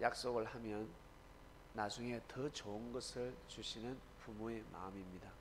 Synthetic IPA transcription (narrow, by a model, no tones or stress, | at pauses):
jʔak̚s͈oɡɯɭhamjʌnː | ad͡ʑuŋe̞tʌt͡ɕoɯnɡʌsʰɯɭt͡ɕuɕʰinɯn | pumoe̞ma̰ɯmimɲida